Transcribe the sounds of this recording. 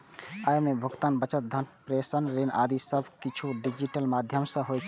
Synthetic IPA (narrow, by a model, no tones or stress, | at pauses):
ajmebʱuɡt̪anbət͡ʃət̪̚d̪ʱənpɾesənɾenʔa̰d̪isəbʱkit͡ʃʰuɖid͡ʒiʈəlmad̪ʱjəmsə̃ɦojt͡ʃʰɛ̥